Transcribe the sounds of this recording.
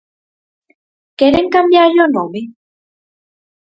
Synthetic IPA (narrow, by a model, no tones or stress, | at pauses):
keɾeŋkambjajonome